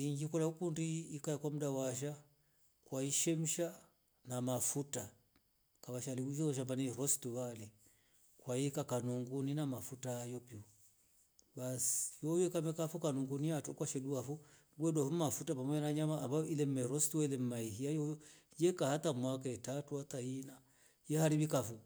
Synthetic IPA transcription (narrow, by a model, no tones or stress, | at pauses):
iŋɡikɔlaukundiːkaakwam̩dawaʃ̬a | kwaiʃɛm̩ʃa | namafuta | kaβaʃaliuʃɔɔʃ̬ambaniɾɔstuβalɛ | kwaikakanuŋɡuninamafutaːjɔpiu | basi̥jɔjɛkamɛkafukanuŋɡuniatukwaʃɛduafu | ɡwɛdwafumafutapamɔɲanaɲamaːmbailɛm̩mɛɾɔstuɛlɛm̩maihiajɔjɔ | jɛkahatamwakaɛtatuhataina | jɛhaɾiɓikafu